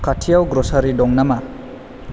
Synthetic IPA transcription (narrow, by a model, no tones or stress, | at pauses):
katʰijawɡɾɔsaɾidɔŋnama